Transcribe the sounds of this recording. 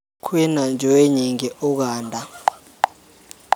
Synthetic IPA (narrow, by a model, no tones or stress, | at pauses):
kʰwɛnand͡ʒʱɛwɛɲɛŋɛʔɔk̬aːndʱa